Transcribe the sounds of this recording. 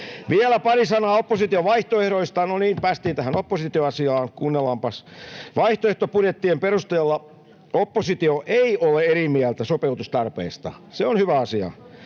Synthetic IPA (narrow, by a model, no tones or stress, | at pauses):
ʋiælæpɑrisɑnɑːopːosit̪ioʋɑiht̪oehɾoist̪ɑnoniːmpæːst̪iːt̪æhænopːosit̪ioɑsiɑːŋkuːnːelːɑmpɑsʋɑiht̪oeht̪opurjet̪ːiempeɾust̪eːlːɑ | opːosit̪ioʔeiʔoleerimiælt̪æsopeut̪ust̪ɑrpḛːst̪ɑ̰ | seonhyʋæɑsiɑ̰